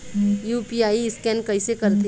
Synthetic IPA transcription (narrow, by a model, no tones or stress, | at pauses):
juːpiaːiɪskɛnkɐisekɐɾt̪e